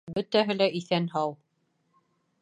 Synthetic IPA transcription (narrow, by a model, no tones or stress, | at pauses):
bɵ̆t̪æɦɘ̆læʔiθænɦɑwˠ